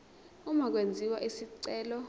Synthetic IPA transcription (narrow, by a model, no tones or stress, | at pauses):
umak̬wend͡zʱiwaʔisiǀɛːlɔ